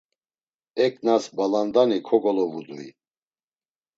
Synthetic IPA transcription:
ɛkʼnasbaland̪anikʰɔɡɔlɔvud̪uḭ

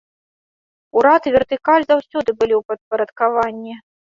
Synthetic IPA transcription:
uɾat̪ɨvʲɛrt̪ɨkalʲzawsʲɔd̪ɨbɨlʲiwpɐt̪̚pɐɾɐt̪kavanʲːi

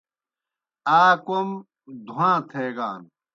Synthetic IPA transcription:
aːkom | d̪ʱuãːt̪ʰeːɡaːn

